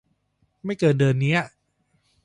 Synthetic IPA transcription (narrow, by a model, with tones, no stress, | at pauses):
ma˥˩jkɤː˨˩t̚dɤː˧nːi˦˥ɐ